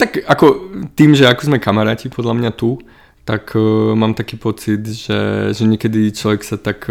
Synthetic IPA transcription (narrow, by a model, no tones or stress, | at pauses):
t̪akakɔt̪iːmʒɛakɔzmɛkamaɾaːcipʰɔd̪ʎamɲat̪u | t̪akmaːmt̪akiːpɔt͡sid̪ʒɛ̰ʒɛɲɪɛkɛd̪it͡ʃlɔʋɛksat̪ak